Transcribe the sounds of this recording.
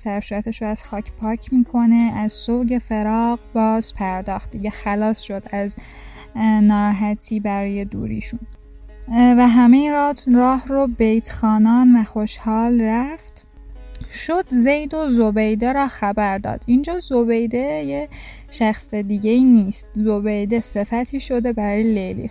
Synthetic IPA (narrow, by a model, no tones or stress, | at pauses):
sæɾsuɾæt̪ʰeʃoæz̥xɑːcʰpʰɒːcʰmiːkʰo̞ne̞æzsowɟe̞fe̞ɾɒːɣbɒːz̥pʰæɾd̪ɒːxt̪̚d̪iɟexælɒːsʃo̞d̪æz | nɒːɾːɦæt̪ʰiːbæɾɔːje̞d̪ṵɾḭːʃun | væɦæmejiɾɒrɒːhɾobejt̪ʰxɑːnɒːnvæxoʃhɑːlræft̪ | ʃod̪̥zejd̪ozobejd̪eɾɒːxæbæɾd̪ɒ̰ːd̪̥ind͡ʒɒːzo̞bejd̪eje | ʃæxsed̪iɟeiːniːst̪zobejd̪e̞se̞fæt̪ʰiːʃo̞d̪e̞bæɾɒːjelejlḭː